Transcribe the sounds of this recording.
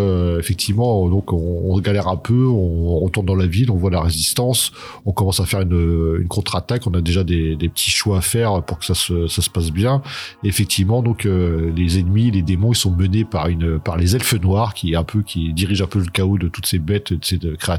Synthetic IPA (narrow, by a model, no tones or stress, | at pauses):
øefɛk̚t̪ʰivmɑ̃d̪ɔ̃kɔ̃ːsɡalɛʁɛ̃pʰøɔ̃ʁət̪uʁnd̪ɑ̃lavilɔ̃vwalaʁezist̪ɑ̃s | ɔ̃kɔmɑ̃safɛʁynəy̰nkʰɔ̃t̪χat̪akɔ̃nad̪eʒad̪ed̪epə̥t̪ʰiʃwaːfɛʁøpuʁkə̥sasəsasə̥pas̬bjɛ̃efɛk̚t̪ʰivmɑ̃d̪ɔ̃kølezɛnmiled̪emɔ̃isɔ̃mənepaʁynøpaʁlezɛlfənwaʁkʲiɛ̃pʰøkʲid̪iʁiʒɛ̃pøləkaod̪ət̪u̥t̪sebɛt̪ed̪əsekχea